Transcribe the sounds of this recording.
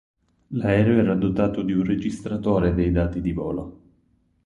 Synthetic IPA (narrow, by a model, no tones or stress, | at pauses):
laɛːɾeoɛːɾad̪ot̪aːt̪od̪iunred͡ʒist̪ɾat̪oːɾed̪ejd̪aːt̪id̪ivɔːlo